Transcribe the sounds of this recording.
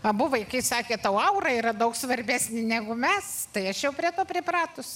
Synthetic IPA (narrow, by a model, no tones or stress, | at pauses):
ɐbʊʋɐɪkɐɪsɑːkʲeːt̪ɐʊɐʊɾɐiːɾɐd̪ɐʊksʋɐɾʲbʲæːsʲnʲɪnʲæɡʊmʲɛst̪ɐɪɐʃjɛʊpʲɾʲiɛt̪oːpʲɾʲɪprɑːt̪ʊs